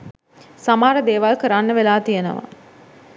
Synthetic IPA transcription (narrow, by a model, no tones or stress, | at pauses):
samaːɾəd̪eːʋalkəɾanːəʋelaːt̪ijənə̰ʋa̰